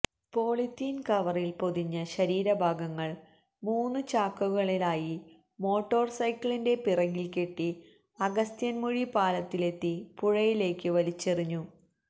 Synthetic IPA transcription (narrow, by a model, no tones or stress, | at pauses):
po̞ːɭit̪ːiːnkɐʋɐrilpo̞ðiɲːɐɕɐɾiːɾɐbʱaːɡɐŋːɐɭ | muːnːɨt͡ɕaːkːuɣɐɭilaːji | mo̞ːʈːo̞ːrsɐjkːɭinde̞pirɐɣilke̞ʈːi | ɐɡɐst̪jɐnmuɻipaːlɐt̪ːile̞t̪ːipuɻɐjile̞ːkːɨʋɐlit͡ɕːeriɲːu